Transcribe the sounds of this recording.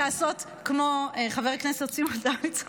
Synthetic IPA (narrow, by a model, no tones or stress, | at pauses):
aːsot | kmoeχaveʁknesett͡simadait̪